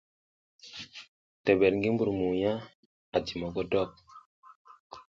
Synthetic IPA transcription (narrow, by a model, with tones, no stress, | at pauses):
te˨be˨ɾŋɡi˦mbu˨ɾmu˨ja˦ | a˨ti˨mɔ˨ɡo˦dɔ˦k̚